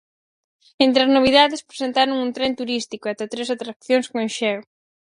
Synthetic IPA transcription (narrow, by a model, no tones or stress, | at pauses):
ẽnt̪ɾɐznoβ̞iðaðespɾesent̪aɾoŋunt̪ɾent̪uɾist̪ikoat̪at̪ɾesat̪ɾak̚θjoŋskoenʃɛw